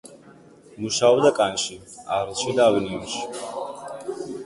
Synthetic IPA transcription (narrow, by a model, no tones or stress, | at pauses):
muʃaɔbd̪akʼanʃiaɾlˠʃid̪aːvininʃi̥